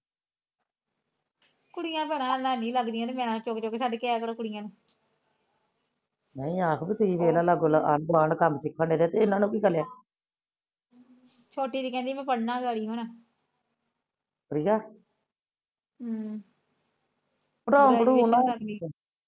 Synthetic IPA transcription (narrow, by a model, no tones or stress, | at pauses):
kʊɽɪjãːbənãːnaːnĩːləɡd̪ijãːt̪emeːnãːt͡ʃoːkt͡ʃoːkeːsaːɖekeaːkəɽkʊɽɪjãːnẽː | nəĩːaːkʰbiːt̪ʊsĩːʋeːlãːlaɡolaʔa̰nɡaːnkəmsɪkʰːəɳeːd̪eːt̪eɪnãːnũːkiːkəljaː | t͡ʃʰoːʈiːd̪iːkɛ̃ːnd̪iːmɛ̃ːpəɽnaːɡaːɽiːɦoːnaː | kəɾiːaː | pəɾaːbəɽuːnãːəɾiː